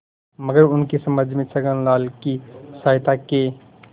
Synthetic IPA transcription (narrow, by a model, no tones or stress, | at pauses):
məɡəɾʊnkesəməd͡ʒʱmesəɡənlaːlkisaːɪt̪ake